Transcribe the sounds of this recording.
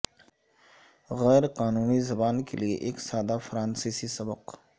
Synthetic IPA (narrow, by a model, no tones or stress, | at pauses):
ɣɛːɾqaːnuːnizɐbaːnkeliḛʔeːksaːd̪afɾaːnsiːsisɐbəq